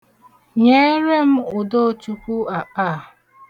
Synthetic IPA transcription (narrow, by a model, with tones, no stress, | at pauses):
ɲe˦ɾe˦m̩˦ʊ˨do˦˨t͡ʃu˨˦ku˦a˨k͡pa˦˨